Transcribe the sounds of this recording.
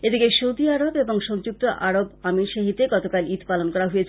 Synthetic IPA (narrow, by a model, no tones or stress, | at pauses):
ed̪ikeʃowd̪iaɾobeboŋʃɔŋd͡ʑuk̚t̪oʔaɾobamiɾʃeɦit̪eɡɔt̪okalit̪palonkɔɾaɦojet͡ɕʰ